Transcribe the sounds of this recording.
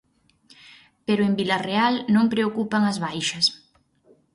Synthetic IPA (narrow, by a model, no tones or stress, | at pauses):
peɾʊembilarealnõmpɾeokupaŋɐzβajʃɐs